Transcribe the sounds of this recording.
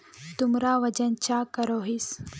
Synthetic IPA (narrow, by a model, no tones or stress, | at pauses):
t̪umɾaːʋɐd͡ʒɐnt͡ʃakɐɾoɦis